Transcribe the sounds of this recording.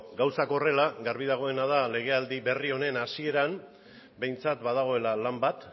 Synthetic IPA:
ɡawsako̞re̞laɡaɾβiðaɣ̞o̞e̞nað̞ale̞ɣ̞e̞ald̪iβe̞rio̞ne̞nasie̞ɾam | be̞jnt͡sat̪baðaɣ̞o̞e̞lalambat̪

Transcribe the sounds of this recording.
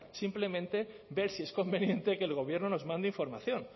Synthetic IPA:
simple̞mẽnt̪e̞ | be̞ɾsie̞sko̞mbe̞njẽ̞nt̪eke̞ːlɣo̞β̞je̞ɾnono̞zmãnd̪eiɱfo̞ɾmaθjo̞n

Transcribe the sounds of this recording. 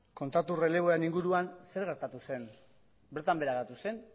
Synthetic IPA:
ko̞nt̪at̪ure̞le̞β̞o̞ɾeniŋɡuɾuanse̞ɾɣ̞e̞ɾt̪at̪use̞n | beɾt̪ambe̞ɾaɣeɾt̪use̞n

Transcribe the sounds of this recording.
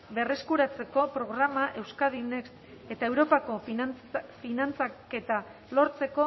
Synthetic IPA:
be̞re̞skuɾat͡se̞ko̞pɾo̞ɣɾamaʔe̞wskaðines | e̞t̪ae̞wɾo̞pako̞ | finant͡sake̞t̪a | lo̞ɾt͡se̞ko̞

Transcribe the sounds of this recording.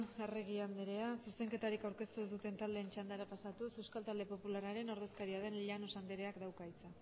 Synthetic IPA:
ereɣ̞iand̪eɾe̞asuse̞ŋke̞t̪aɾikawɾke̞st̪uezd̪ut̪e̞nt̪ald̪e̞ːnt͡ʃand̪aɾapasat̪usewskalt̪ald̪e̞po̞pulaɾaɾe̞no̞ɾðe̞skaɾiað̞e̞nʎano̞sand̪eɾe̞akd̪awkajt͡sa

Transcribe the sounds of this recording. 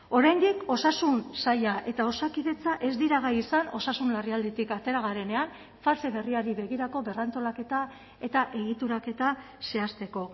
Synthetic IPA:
o̞ɾajnd̪iko̞sasunsajaʔe̞t̪ao̞sakiðe̞t͡saʔe̞zd̪iɾaɣaisano̞sasunlariald̪et̪ikat̪e̞ɾaɣ̞aɾe̞ne̞aɱ | false̞βe̞riaɾiβe̞ɣiɾako̞βe̞rant̪o̞lake̞t̪a | e̞t̪aʔe̞ɣ̞it̪uɾake̞t̪a | se̞ast̪e̞ko̞

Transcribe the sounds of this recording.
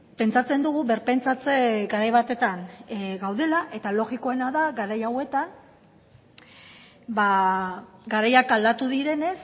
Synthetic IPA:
pe̞nt͡sat͡se̞nd̪uɣ̞uβe̞ɾpe̞nt͡sat͡seɡaɾajβat̪e̞t̪anɡawð̞e̞laʔe̞t̪alo̞ɣiko̞e̞naðaɡaɾajawe̞t̪an | ba | ɡaɾajakald̪at̪uðiɾe̞ne̞s

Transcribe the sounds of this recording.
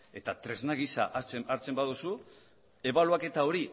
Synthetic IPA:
e̞t̪at̪ɾe̞znaɣisa̰ʔt͡seaɾt͡se̞mbaðusu | e̞βaluake̞t̪ao̞ɾi

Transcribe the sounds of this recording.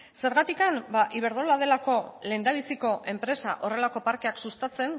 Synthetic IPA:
se̞ɾɣat̪ikambaʔiβ̞e̞ɾðolað̞e̞lako̞le̞nd̪aβ̞isiko̞ʔe̞mpɾe̞sa̰ʔo̞re̞lako̞paɾke̞aksust̪at͡se̞n

